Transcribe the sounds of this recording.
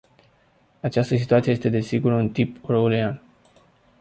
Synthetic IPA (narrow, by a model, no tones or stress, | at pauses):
at͡ʃast̪əsit̪uat̪siejest̪ed̪e̞siɡuɾunt̪iproulian